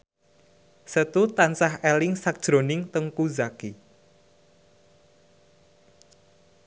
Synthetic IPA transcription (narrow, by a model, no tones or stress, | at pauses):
sət̪ut̪ansahɛlɪŋsak̚d̥ʒ̥ɾo̤nɪŋt̪əŋkuzaki